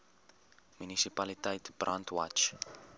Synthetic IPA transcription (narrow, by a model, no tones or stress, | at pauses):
mynisipalitəjtb̥rʔantʰwat͡ʃ